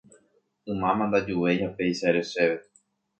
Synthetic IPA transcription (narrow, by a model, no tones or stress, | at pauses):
ɨ̃mãmãnd̪ad͡ʒuʋe̞ʒapejʃaeɾe̞ʃeʋe